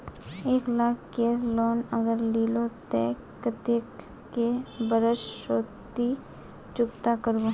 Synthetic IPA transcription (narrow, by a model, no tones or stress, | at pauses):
eːklaːkkeɾloːnəɡəɾliːlot̪ḛː | kːət̪ekː | ebəɾəʃʃoːt̪i | t͡ʃʊkt̪akəɾɡo